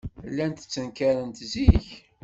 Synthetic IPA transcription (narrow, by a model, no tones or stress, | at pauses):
lːænt̪ə̥t͡sːənkæɾənt̪ziç